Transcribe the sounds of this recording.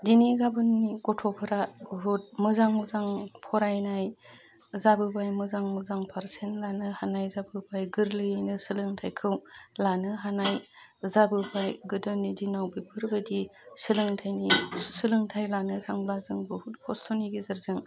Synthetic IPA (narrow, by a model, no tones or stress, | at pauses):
diniɡabɯnːiɡɔtʰɔpʰɯɾabɦut̚mɯzaŋmɯzaŋpʰɔɾajnaj | zabɯbajmɯzaŋmɯzaŋpʰaɾsenlanɯhanajzabɯbajɡɯɾlɯjajnɯsɯlɯŋtʰajkʰɯwlanɯɦanaj | zabɯbajɡɯdɯnːidinawbipʰɯɾbadisɯlɯŋtʰajnisɯlɯŋtʰajlanɯtʰaŋblazɯŋbɯhuhʰɔstʰoniɡizɯɾzɯŋ